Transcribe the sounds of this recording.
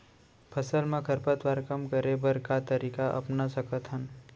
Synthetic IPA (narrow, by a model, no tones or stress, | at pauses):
pʰɐsəlmẽkʰɐɾpət̪ʋaːɾkɐmkəɾebɐɾkat̪əɾiːkaʔɐ̰pnasɐkət̪ɦən